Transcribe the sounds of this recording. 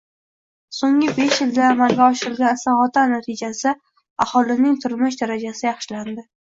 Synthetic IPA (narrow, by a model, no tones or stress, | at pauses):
soŋɪbe̞ʃjɪld̪aːmalɡʲaɒʃɪɾɪlɡʲansaɒt̪ʰanat̪ʰɪd͡ʒasɪ | ahɒlˠɪnɪŋt̪ʰʊɾmɪʃd̪aɾad͡ʒasɪjɑχʃɪland̪ɪ